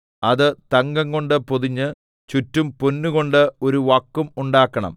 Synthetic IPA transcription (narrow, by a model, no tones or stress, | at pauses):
ɐðɨt̪ɐŋɡɐŋɡo̞ɳɖɨpoðiɲːɨ | t͡ɕutːumponːuɣo̞ɳɖɨo̞ɾuʋɐkːumuɳɖaːkːɐɳɐ̰m